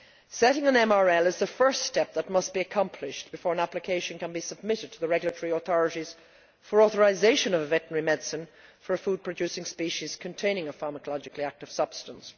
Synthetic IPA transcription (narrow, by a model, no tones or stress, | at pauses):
sɛɾɪ̃ŋə̃nɛ̃mɑɹɛlˠɨzðəfɜ˞ststɛp̚ðət̚mʌs̚b̥iɨkʰɑ̃mpʰlɪʃb̥ɨfɔːɹə̃næplɨkʰeɪʃɨ̃nkə̃nbisəb̚mɪɾɨd̚tʰəðɨɹɛɡjl̩ətʰəɹiəθɔɹɨɾiz̥ | fə˞ɔθə˞azeɪʃɨ̃nʌvvɛʔn̩əɹimɛdsɨ̃nfə˞ɨfud̚pʰɹ̥ɨdʉsɪ̃ŋspiʃiz̥kʰɨ̃ntʰẽɪ̃ñɪ̃ŋəfɑɹməkəlɑd͡ʒɨkliæk̚tɨv̥sʌb̥stə̃ns